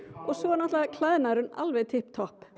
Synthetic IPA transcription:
ɔɣsɔɣanaht̪lɛɣakʰlaːjðnaɾʏna̰lvɛðt̪ʰɪhpt̪ʰɔhp

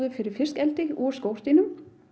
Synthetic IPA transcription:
ðʏfɪɾɪɾ̥fɪr̥skɛlt̪ɪɔskowr̥t̪iːnʏm

